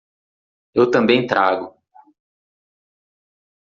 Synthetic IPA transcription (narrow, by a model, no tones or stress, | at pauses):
ewt̪ɐ̃mbẽj̃t̪ɾʔaɡʊ